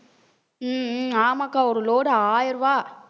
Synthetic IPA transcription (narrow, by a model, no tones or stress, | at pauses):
aːmakːaːɔɾɯloːɽɯaːjɪɾʋaː